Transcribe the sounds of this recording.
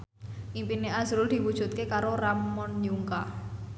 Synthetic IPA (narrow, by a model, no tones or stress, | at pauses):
ʔimpineʔazɾʊld̪̥i̤wud̥ʒ̥ṳt̪̚kekaɾoramɔnjuŋka